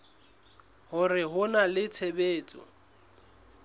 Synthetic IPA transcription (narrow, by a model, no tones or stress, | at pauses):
hʊrɪɦʊnalɪt͡sʰebeːt͡sʼɔ̰